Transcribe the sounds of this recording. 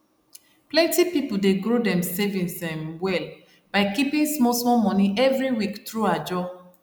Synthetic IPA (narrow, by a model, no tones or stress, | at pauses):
plɛ̃ntipipoldeɡɹodɛ̃msevĩnsɛ̃mwɛl | b̥aɪkipĩnsmɔsmɔmɔ̃niʔɛvɹiwiktɹuad͡ʒɔ